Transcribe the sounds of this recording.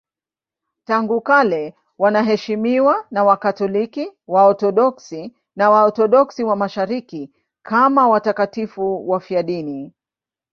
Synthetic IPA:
taŋɡukalɛ | wanaɦɛʃimiwanawakatɔlikiwaɔtɔɗɔksi | nawaɔtɔɗɔksiwamaʃaɾiki | kʰamawatakatifuwafiaɗini

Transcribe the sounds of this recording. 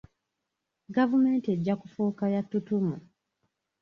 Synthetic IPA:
ɡavume̞ːntieɟːakufuːkajatːutumu

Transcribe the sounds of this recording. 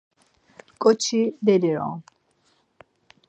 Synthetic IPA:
kʼɔt͡ʃʰid̪ɛliɾɔ̰̃

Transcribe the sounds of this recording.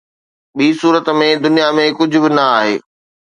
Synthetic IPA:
ɓiːsuːɾət̪mẽd̪ʊnijamẽkʊd͡ʑʱʊ̆bɪnɐaːɦḛː

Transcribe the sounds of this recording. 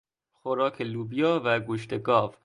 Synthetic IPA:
xoɾɒːkʰeluːbijɒːvæɡoʃt̪eɡɒːv

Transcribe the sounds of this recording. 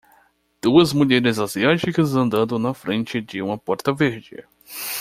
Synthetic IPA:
d̪̥uɐzmuʎɛɾɪzaziat͡ʃikɐzɐ̃nd̪ɐ̃nd̪ʊ̃nɐfɾẽnt͡ʃɪd͡ʒɪũmɐpɔɾt̪ɐveɾd͡ʒɪ̰

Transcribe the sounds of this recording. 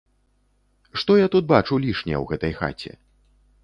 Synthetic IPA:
ʂt̪ɔjat̪ut̪̚bat͡ʂulʲiʂnʲɛwɣɛt̪ɐjxa̰t͡sʲɛ̰

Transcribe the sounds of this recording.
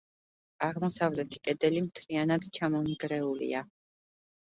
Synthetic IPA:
aʁmɔsavlɛt̪ʰi̥kʼɛd̪ɛlimt̪ʰlianad̪t͡ʃʰamɔmiɡɾɛulḭa

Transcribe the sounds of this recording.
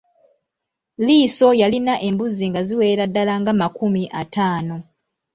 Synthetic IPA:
liːso̞jalinaʔe̞mbuziŋɡaziwe̞ːɾadːalaŋɡamakumiʔa̰taːno̞

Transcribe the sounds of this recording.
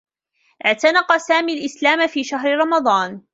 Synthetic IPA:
ʔɪʕt̪anɑqɑsaːmiːlʔɪslaːmafiːʃaɦɾɾˤɑmɑd̪ˤɑːn

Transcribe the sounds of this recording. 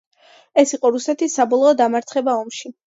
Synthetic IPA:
ɛsiqʼɔɾusɛt̪ʰisːabɔlˠɔːd̪amaɾt̪sʰχɛbaɔmʃi

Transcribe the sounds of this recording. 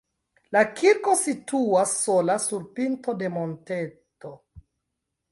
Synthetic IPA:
lakʰiɾko̞situasːo̞lasuɾpinto̞de̞monte̞to̞

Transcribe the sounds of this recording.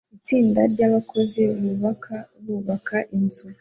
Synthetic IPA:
it͡siːndaɾɟaβakʰo̞zeββakaβuβakʰaʔinzu

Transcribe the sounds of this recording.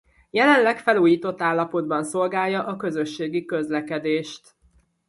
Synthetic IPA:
jɛlɛnlɛkfɛluːjiːt̪o̞t̪ːaːlːɒpo̞d̪̚bɒnso̞lɡaːjːɒʔɒkø̞zøʃːeːɡikøzlɛkɛd̪eːʃt̪

